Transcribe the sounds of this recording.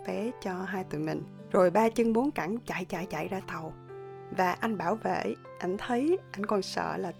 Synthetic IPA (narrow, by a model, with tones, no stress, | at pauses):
fɛ˨˦t͡ɕɔ˧ɦaː˧jt̪ṵ˧˨mï˨˩ŋ̟ | zo˨˩jɓaː˧t͡ɕɨ˧ŋmu˨˦ənka˧˩ŋt͡ɕa̰˧˨jt͡ɕa̰ː˧˨jt͡ɕa̰˧˨jzaː˧t̪ə˨˩w | vaː˨˩ʔa˧jŋ̟ɓaː˧˩wvḛ˧˨ | ʔa˧jŋ̟t̪ʰə˨˦jʔa˧jŋ̟kɔ˧˩nsə̰ː˧˨laː˨˩